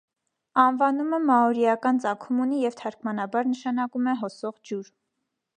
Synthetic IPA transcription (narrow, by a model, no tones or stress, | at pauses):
ɑnvɑnuməmɑɔɾiɑkɑnt͡sɑkʰumunijɛvt̪ʰɑɾkmɑnɑbɑɾnəʃɑnɑkumɛɦɔsɔʁd͡ʒuɾ